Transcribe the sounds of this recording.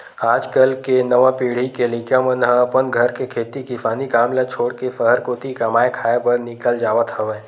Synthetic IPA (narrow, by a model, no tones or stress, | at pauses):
aːd͡ʒkəlkenəʋãpiːɽ̤ikelĩkjãmənɦəpənɡʱəɾkekʰeːt̪ikɪsaːnikaːmlat͡ʃʰoːɽkesəɦəɾkot̪ikɐmaːekʰaːepəɾnɪkəld͡ʒaːʋət̪ɦəʋẽː